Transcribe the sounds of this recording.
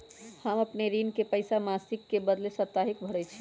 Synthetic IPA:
həməpneɾinkepəɪjsamasikːebəd̪lesət̪ːaɦik̚bʱəɽɛt͡ʃʰi

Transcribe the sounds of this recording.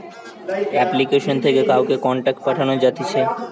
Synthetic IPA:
ɛplikeʃont̪ʰekekawkekɔɳʈak̚ʈ̚paʈʰanod͡ʑat̪it͡ɕʰe

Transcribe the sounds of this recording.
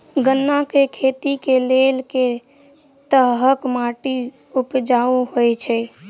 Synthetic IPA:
ɡənːakekʰet̪ikelelke | t̪əɦɦəkmaʈi | upd͡ʒaoɦojt͡ʃʰɛ

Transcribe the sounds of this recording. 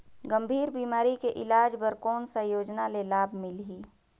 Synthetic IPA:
ɡəmbʱiːɾbiːmaːɾikeʔɪlaːd͡ʒbəɾkɔːnsə̃joːd͡ʒnalelaːbʱmɪlɦiː

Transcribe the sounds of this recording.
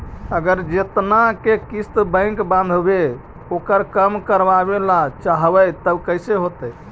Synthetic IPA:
əɡəɾd͡ʒet̪nakekist̪bə̃ɪ̃ŋkbãnd̪ʱbe | okəɾkəmkəɾbabelat͡ʃaɦbəjt̪əbkəjseɦot̪əj

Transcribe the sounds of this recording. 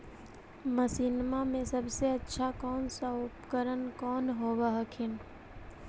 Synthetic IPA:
məsiːnmamẽsɐbseɐtːʃʰakɔːnsaʊpkəɾənkɔːnɦoːʋaɦəkʰɪn

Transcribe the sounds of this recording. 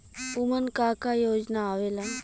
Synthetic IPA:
ʊmənkaːkajoːd͡ʒnaːʋeːlan

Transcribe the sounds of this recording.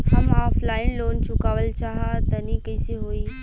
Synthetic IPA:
hɐmaːflaːɪnloːnt͡ʃʊkaːʋəlt͡ʃaːɦat̪ɐnikɐɪseɦoːiː

